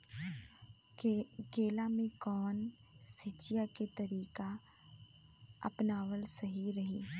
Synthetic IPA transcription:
keːlamẽkɔːn | sɪt͡ʃijaket̪ɐɾiːka | ɐ̰pnaːʋəlsɐɦiɾɐɦiː

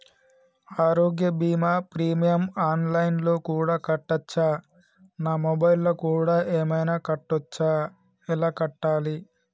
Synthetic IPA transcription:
aːɾo̞ːɡjɐbiːmaːpɾiːmijɐmaːnlɐjnlo̞ːkuːɽaːkɐʈːɐt͡ʃːaː | naːmɔbɐjlːɐkuːɽaːʔeːmɐjnaːkɐʈːɐt͡ʃːaː | ilaːkɐʈːaːli

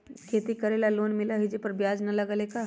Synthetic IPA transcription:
kʰeːt̪ikɐɾeːlaloːnmɪlaɦid͡ʒepəɾbjaːd͡ʒnɐlɐɡəleka

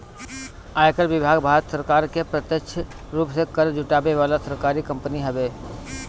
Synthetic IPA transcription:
aːjkəɾbɪbʱaːɡbʱaːɾət̪səɾkaːɾkepɾət̪jəkt͡ʃʰə | ɾuːpsekəɾd͡ʒʱʊʈaːbeʋaːlasəɾkaːɾikə̃mpəniɦəbeː

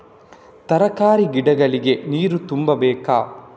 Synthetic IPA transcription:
t̪ɐɾɐkaːɾiɡiɖɐɡɐɭiɡe̞niːɾut̪umbɐbɛːka̰ː

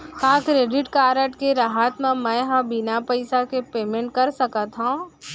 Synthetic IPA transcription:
kããkɾeːɖɪʈkaːɾəʈkeɾaɦat̪mẽmɛ̃ɦãbɪnapəɪsakepeːmẽɳʈ̚kɐɾsɐkat̪ɦõ

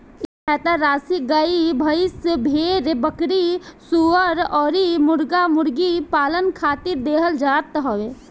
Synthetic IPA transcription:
ɛːt̪aɾaːsiɡaibʱəɪsbʱeːɾbəkɽisuəɾɔːɾimʊɾɡamʊɾɡipaːlənkʰaːt̪ɪɾd̪eːɦəld͡ʒat̪ɦoːʋeː

